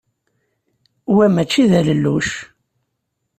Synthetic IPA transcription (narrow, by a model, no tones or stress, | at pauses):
wæmæt͡ʃːiðæləlːuʃ